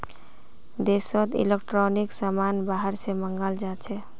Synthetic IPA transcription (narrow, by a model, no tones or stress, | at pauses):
d̪esɔt̪ḭlekʈɾɔniksamanbaɦəɾseməŋɡəld͡ʒat͡ʃʰɛ